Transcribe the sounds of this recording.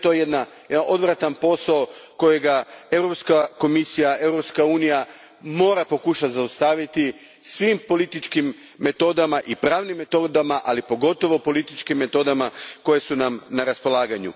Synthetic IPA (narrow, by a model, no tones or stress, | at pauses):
t̪ojjed̪najed̪aʔo̞d̪ʋɾat̪anpo̞saoko̞je̞ɡae̞wɾo̞pskako̞misijae̞wɾo̞pskauːnija | mo̞ːɾapo̞kuʃat̪zaust̪aːʋit̪i | sʋimpo̞lit̪it͡ʃkimː | e̞t̪o̞d̪amaʔipɾaːʋnimːe̞t̪o̞d̪amaʔalipo̞ɡo̞t̪o̞ʋo̞po̞lit̪it͡ʃkimːe̞t̪o̞d̪amako̞je̞sunamnaɾaspo̞lˠaːɡaɲṵ